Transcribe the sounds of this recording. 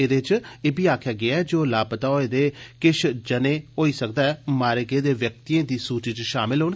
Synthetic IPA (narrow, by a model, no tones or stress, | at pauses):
eːd̪eːt͡ʃeːbiːaːkʰjaːɡɪaːɛːd͡ʒoːlaːpt̪aːoːeːd̪eːkɪʃʰd͡ʒəneːɦoːiːsəkd̪aːɛːmaːɾeɡeːd̪eːʋjək̚tt̪iːẽːd̪iːsuːt͡ʃiːt͡ʃʃaːmɪlɦoːn